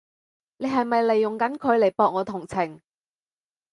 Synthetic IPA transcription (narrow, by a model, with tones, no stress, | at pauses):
ne˨˧jɦɐ˨jmɐ˨jle˨˩jːʊ˨ŋkɐ˨˥nkʰɵ˨˧ɥle˨˩jpɔː˨˧k̚ŋɔː˨˧t̪ʰʊ˨˩ŋt͡sʰɪ˨˩ŋ